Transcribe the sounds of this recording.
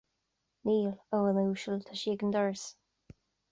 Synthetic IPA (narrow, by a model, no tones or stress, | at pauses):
niːlowənuːʃəlt̪ʰaʃiːɡənd̪ɔɹs